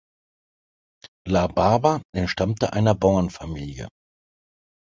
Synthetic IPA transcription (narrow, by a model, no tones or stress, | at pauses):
labaːbaʔɛntʃtamtəʔa̰ɪnɐbaʊɐnfamiːljə̰